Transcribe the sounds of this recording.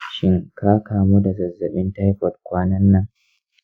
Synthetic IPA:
ʃɪ˦ŋkaː˦kaː˨mu˦da˨zɐ˨zːɐ˨ɓɪ˦nta˦jɸɔ˨t̚kʷaː˦nɐ˦nːɐ˦ŋ

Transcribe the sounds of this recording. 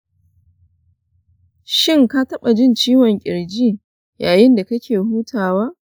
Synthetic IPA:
ʃɪ˦ŋka˦tɐ˦ɓa˨d͡ʒɪ˦nt͡ʃiː˦wɔ˨ŋkʲʼɪ̰˨ɽd͡ʒiː˦ | jaː˨jɪ˦nda˨kɐ˦kʲʰeː˨huː˦tʰaː˨waː˦

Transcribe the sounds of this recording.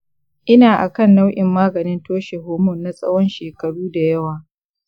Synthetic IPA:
ʔɪ˦naː˨ʔa˨kɐ˦˨nːɐ˦wʔʲɪ˨mːaː˦ɡɐ˨nɪ˦ntoː˦ʃe˨ɦoː˨mʊ˦˨nːa˨sʼɐ̰˦wɔ˦nʃeː˨kɐ˨ɽuː˦da˨jɐ˦waː˨

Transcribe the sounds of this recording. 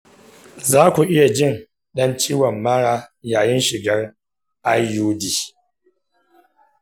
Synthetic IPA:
zaː˦kʷu˨ʔɪ˦ja˨d͡ʒɪ˦n | ɗɐ˦nt͡ʃiː˦wɔ˨mːaː˦ɽaː˦jaː˨jɪ˦nʃɪ˨ɡɐ˦r | ʔa˦jjuː˦diː˨

